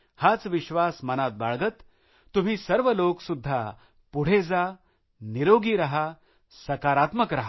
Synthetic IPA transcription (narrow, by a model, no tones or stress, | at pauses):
hat͡sʋiɕʋasmənat̪̚baɭɡət̪ː | um̤iːsəɾʋəloksud̪ʱːa | puɽ̤ed͡za | niɾoɡiːɾaɦa | səkaɾat̪məkɾaɦa